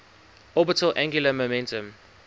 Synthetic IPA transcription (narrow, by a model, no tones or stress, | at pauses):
ɔbɪtəlʔæ̃ŋɡjuləmomɛ̃ntə̃m